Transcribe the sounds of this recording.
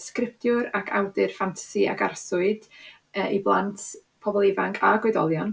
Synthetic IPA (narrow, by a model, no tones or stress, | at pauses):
skrɪp̚tjʊɾakʰa̰wdɨrfantʰḁsia̰ɡarsʊɨd | iblˠantʰ | pʰɔbɔlˠɪvaŋkʰaɡwɛdɔ̰lˠjɔn